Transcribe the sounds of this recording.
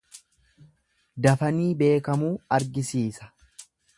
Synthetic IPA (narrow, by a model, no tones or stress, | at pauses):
d̪ɐfɐniːbe̞ːkɐmuːɐɾɡɪsiːsɐ̥